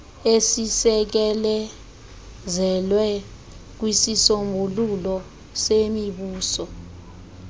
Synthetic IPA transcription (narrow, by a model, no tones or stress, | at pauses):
esisɛk̬ɛlɛ | zɛlwɛ | k̬wisisombʱululɔ | semiɓuːsɔ